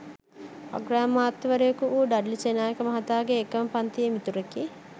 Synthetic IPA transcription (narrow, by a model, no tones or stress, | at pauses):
ɐ̰ɡɾaːmːaːt̪ːiʋɐɾejɐkuʔuːɖɐɖlit͡ʃenaːjekɐmɐɦɐt̪aːɡeːkːɐmɐpɐnt̪iemit̪uɾɐki